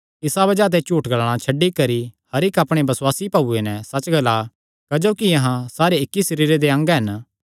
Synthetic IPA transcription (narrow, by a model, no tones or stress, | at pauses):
ɪsabɐd͡ʒaːt̪̬et͡ʃuːʈɡɐl̃ːãt͡ʃʰɐɖːikɐɾihɐɾɪkɐpɽ̃ebɐswaːsipɐbuenɛ̃sɐt͡ʃɡɐla | kɐd͡ʒoːkijɐɦãsaːɾeɪkːisɐɾiːɾed̪eɐ̃ŋɡɦɐn